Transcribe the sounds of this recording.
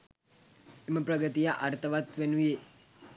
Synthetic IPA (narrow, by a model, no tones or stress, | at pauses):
emɐpɾɐɡət̪ijaʔɐɾt̪ʰɐʋat̪ʋenuje